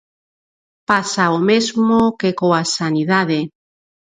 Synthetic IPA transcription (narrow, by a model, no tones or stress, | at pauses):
pasaomezmokekoasaniðaðe